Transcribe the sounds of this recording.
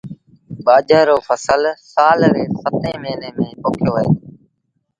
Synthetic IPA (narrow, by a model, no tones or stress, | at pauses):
ɓaːd͡ʒəːɾoːfʰəsəlsaːlɾeːsət̪ẽːmeːneːmẽːpoːkʰjoːʋəḛː